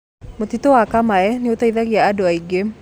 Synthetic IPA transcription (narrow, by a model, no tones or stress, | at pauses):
mot̪it̪oakamaɛniot̪aiðaɣiaːdoaiɡe